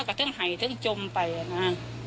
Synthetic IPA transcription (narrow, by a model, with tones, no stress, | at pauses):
kaː˧˩t̪ʰɨ˨˦˥əŋɦa˨˩jt̪ʰɨ˨˦əŋt͡ɕʊ˧mt̪a˨˩jnaː˧